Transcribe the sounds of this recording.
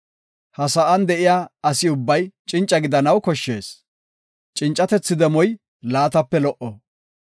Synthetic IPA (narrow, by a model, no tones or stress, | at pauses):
hɐsɐʔɐnd̪ɛʔɪjaːɐsɪʊbːɐjt͡ʃʼɪnt͡ʃʼːɐɡɪd̪ɐnɐwkɔʃːe̞̰ːs | t͡ʃʼɪnt͡ʃʼɐt̪ɛt͡sːɪd̪ɛmɔj | laːt̪ɐpːɛlɔʔɔ